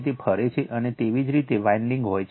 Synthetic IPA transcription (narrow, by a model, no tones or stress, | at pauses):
t̪̬epʰəɾet͡ʃʰeʔənet̪eʋid͡ʒɾit̪eʋaiɳɖiŋɡɦojt͡ʃʰ